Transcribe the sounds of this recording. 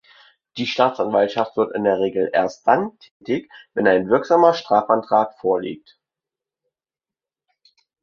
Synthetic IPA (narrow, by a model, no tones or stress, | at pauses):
d̥iːʃtaːtt͡sanvaltʃaftv̥ɪɐtɪndeːɐʁ̞eːɡl̩ʔḛːɐst̚d̥antʰɛːtɪçvɛnaɪnvɪɐkz̥aːmɐʃtʁ̥aːfantʁ̥aːtfoːɐlḭːk̚t